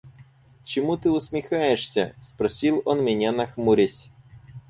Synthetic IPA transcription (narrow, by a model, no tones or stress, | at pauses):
t͡ʃɪmut̪ɨʊsʲmʲixajeʂsʲɐ̰spɾɔsʲilˠɔnmʲɪnʲanɐxmuɾʲesʲ